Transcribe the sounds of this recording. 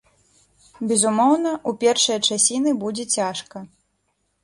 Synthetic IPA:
bʲɛzumɔwnɐʔupʲɛrʂɐjɐt͡ʂasʲinɨbud͡zʲɛt͡sʲaʂkɐ

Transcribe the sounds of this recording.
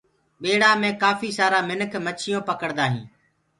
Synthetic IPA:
ɓeːɽaːmẽːkaːfiːsaːɾaːmɪnəkʰmət͡ʃʰɪjõːpəkəɽd̪aːɦḭ̃ː

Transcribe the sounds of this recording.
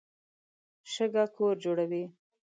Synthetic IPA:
ʃəɡakʰoɾd͡ʒoɽawi

